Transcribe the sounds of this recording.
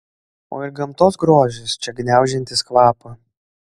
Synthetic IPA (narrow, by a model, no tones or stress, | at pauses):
o̰ːɪɾɡɐmt̪oːsɡɾoːʒʲɪst͡ʃʲɛɡnʲæˑʊʒʲɛnʲt̪ʲɪskʋɑːpɐ